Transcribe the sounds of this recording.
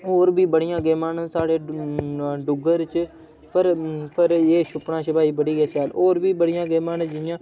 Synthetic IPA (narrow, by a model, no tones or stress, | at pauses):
oːɾbʱiːbəɽɪjãːɡeːmaːnsaːɽeː | ɖʊɡəɾt͡ʃ | pəɾpʰəɾeːʃʊpɳãːt͡ʃʰəbʱaːiːbəɽiːɡaːt͡ʃaːloːɾbʱiːbəɽɪjãːɡeːmaːnə̃d͡ʒɪjãː